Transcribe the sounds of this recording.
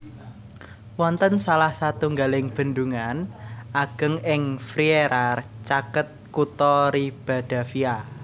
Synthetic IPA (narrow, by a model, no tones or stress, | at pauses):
wɔnt̪ənsalahsat̪uŋɡalɪŋb̥ə̤nd̪uŋanaɡ̥ə̤ŋɪŋfɾieɾʔart͡ʃakət̪̚kut̪ɔɾib̥a̤d̪̥a̤fia